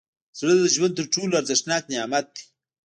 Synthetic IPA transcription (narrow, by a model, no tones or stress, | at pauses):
zɾad̪əʒwand̪̚t̪əɾʈ͡ʂulaɾzɪʂnɑːknejaːmat̪̚d̪i̥